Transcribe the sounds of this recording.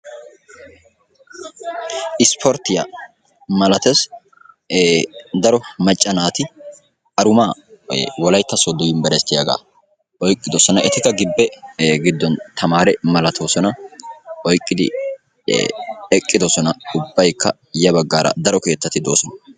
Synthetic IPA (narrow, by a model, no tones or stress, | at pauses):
ʔɪspʰɔɾt̪ːɪjɐ | mɐlɐt̪ɛs | d̪ɐɾɔmɐt͡ʃʼːɐnaːt̪ɪ | ʔɐɾʊmaːwɔlɐjt̪ːɐsod̪ːɔjɪmbɛɾɛst̪ːɪjɐɡa̰ | ʔɔjkʼːɪd̪ɔsɔnɐʔɛt̪ɪkːɐɡɪbːɛɡɪd̪ːɔnt̪ʰɐmaːɾɛmɐlɐt̪ʰo̞ːsɔnɐ | ɔjkʼːɪd̪ɪ̰ | ɛkʼːɪd̪ɔsɔnɐʊbːɐjkʰːɐ | jɐbɐɡːaːɾɐ̰d̪ɐɾɔke̞ːt̪ːɐt̪ːɪd̪o̞ːsɔnɐ